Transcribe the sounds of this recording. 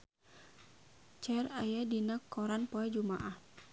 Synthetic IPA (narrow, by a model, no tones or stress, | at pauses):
t͡ʃɛrajadinakːɔɾanpoɛd͡ʒuma̰ʔah